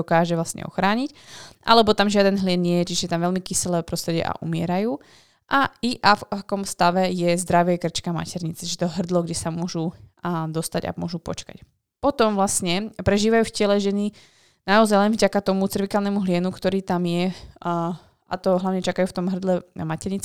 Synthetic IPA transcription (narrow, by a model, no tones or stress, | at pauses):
ɔkaːʒɛʋlastɲɛ̰ɔ̰xɾaːɲicʔa̰lɛbɔt̪amʒɪad̪ɛnɦlɪɛnːɲɪɛjɛt͡ʃiʒɛjɛt̪amʋɛlmikisɛlɛːpɾɔst̪ɾɛɟɛ̰ʔa̰ʔumɪɛ̰ɾajuː | ʔaiʔafakɔmst̪aʋɛjɛzd̪ɾaʋɛkr̩t͡ʃkama̰cɛɾɲit͡sɛt͡ʃiʒɛt̪ɔɦr̩d̪lɔɡɟɛsamʊɔʒud̪ɔst̪aɟa̰mʊɔʒupɔ̰t͡ʃka̰c | pɔt̪ɔmvlasɲɛpɾɛʒiːʋajuːfcɪɛlɛʒɛni | naɔzajlɛnvɟakat̪ɔmut͡sirʋikalnɛmuɦlɪɛnukt̪ɔɾiːt̪amjɛ | a̰t̪ɔɦlaʋʊɲɛt͡ʃakajuːft̪ɔmɦr̩d̪lɛmacɛɾɲit͡s